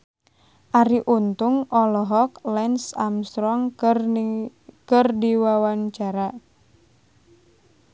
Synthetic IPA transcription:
ʔaɾiʔunt̪ʊŋʔɔlɔɦɔklɛnsa̰mst̪ɾɔŋ | kərdiwawant͡ʃaɾa

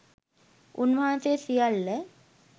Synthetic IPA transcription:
unʋãt̪esijalːɛ

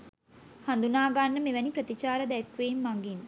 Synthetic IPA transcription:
hand̪unaːɡanːəmeʋæniprət̪it͡ʃaːɾəd̪ɛkʋeːmːaŋɡin

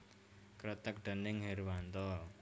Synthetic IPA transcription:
kɾət̪ək̚ɖ̥ə̤nɪŋɦeɾwant̪ɔ

